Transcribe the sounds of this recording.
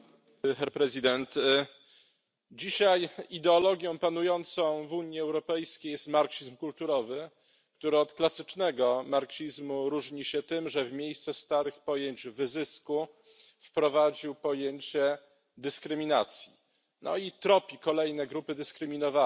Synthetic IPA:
xɛɾpɾɛzɨd̪ɛnt̪ | d͡ʑiɕajid̪ɛɔlɔɡʲjɔ̃w̃panujɔnt̪sɔ̃w̃vuɲiɛwɾɔpɛjskʲejɛst̪maɾkʂizmkult̪uɾɔvɘ | k̚t̪uɾɘɔt̪klasɘt͡ʂnɛɡɔmaɾkɕizmuɾuʐɲiɕɛt̪ɘmʐɛvmʲjejst̪sɛst̪aɾɘxpɔjeɲd͡ʑvɘzɘsku | fpɾɔvad͡ʑiwpɔjeɲt͡ɕɛ | d̪ɘskɾɘmʲinat̪sʲji | nʔɔ̰it̪ɾɔpʲikɔlɛjnɛɡɾupɘd̪ɘskɾɘmʲinɔva

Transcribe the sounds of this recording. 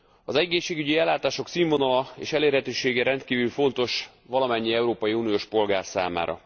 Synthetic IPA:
ɒzɛɡeːʃːeːɡyɟiɛlːaːt̪aːʃo̞ksimvo̞nolɒḛːʃɛleːrɦɛt̪øːʃeːɡɛɾɛnt̪̚kiːvylfo̞nt̪o̞ʃ | ʋɒlɒmɛɲːiɛuɾoːpɒjiuːnijoːʃpo̞lɡaːrsa̰ːma̰ːɾɒ̰

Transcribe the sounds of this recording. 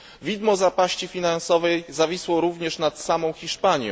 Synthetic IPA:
vʲid̪mɔzapaɕt͡ɕifʲinansɔvɛjzavʲiswɔɾuvɲɛʂnat̪samɔ̃w̃xʲiʂpaɲjɛ̰̃

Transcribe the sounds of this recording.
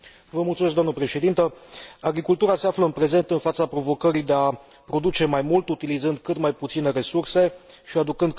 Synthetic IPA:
vəmult̪sumeskd̪oamnəpɾe̞ʃe̞d̪int̪əaɡɾikult̪uɾase̞afləɨnpɾe̞ze̞nt̪ɨnfat̪sapɾo̞vo̞kəɾijd̪e̞a | pɾo̞d̪ut͡ʃe̞majmult̪ut̪ilizɨnd̪̚kɨt̪majput̪sine̞ɾe̞surse̞ | ʃiad̪ukɨnd̪

